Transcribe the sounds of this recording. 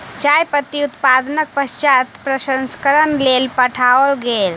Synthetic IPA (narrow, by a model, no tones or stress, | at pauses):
t͡ʃajpət̪ːiut̪pad̪ənək̚pəst͡ʃat̪pɾəsənskəɾənlelpəʈʰaəlɡel